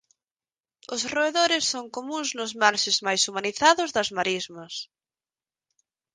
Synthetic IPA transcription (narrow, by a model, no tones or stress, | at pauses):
ʊsroeðoɾɪsːoŋkomũŋznʊzmaɾʃɪzmajsumaniθaðʊzðɐzmaɾizmɐs